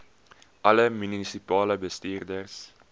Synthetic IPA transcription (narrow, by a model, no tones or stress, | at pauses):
ʔɐləmynisipɑːləbəstiːrdərs